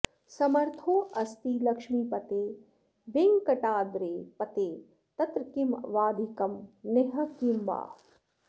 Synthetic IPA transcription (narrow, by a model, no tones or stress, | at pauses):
sɐmɐɾt̪ʰoːʔɐst̪iːlɐkʃmiːpɐt̪eː | ʋeŋɡkɐʈaːd̪ɾeːpɐt̪eː | t̪ɐt̪ɾəkimʋaːd̪ʱikɐmneɦɐ̆kimʋa̰ː